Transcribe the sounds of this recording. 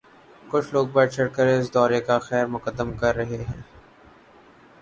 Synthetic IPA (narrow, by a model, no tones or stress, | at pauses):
kʊt͡ʃʰloːɡ̚bɐɾt͡ʃʰɐɽkəɾɪs̬d̪ɔːɾekaxɛːɾmʊkəd̪ːəmkɐɾːɐɦeɦɛ̰̃ː